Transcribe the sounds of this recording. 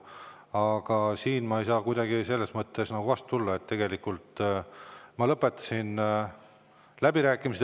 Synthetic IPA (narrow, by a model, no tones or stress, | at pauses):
ɑɡ̥ɑsiːnmɑejsɑːkujd̪̥ɑɡise̞lːe̞smɤt̪ːe̞snɑɡ̥uvɑst̪ut̪ulːɑe̞t̪ːeɡ̥e̞likːˑult̪ | mɑlɤpːˑe̞t̪ːˑɑ̥sin | læbiɾæːkːˑimise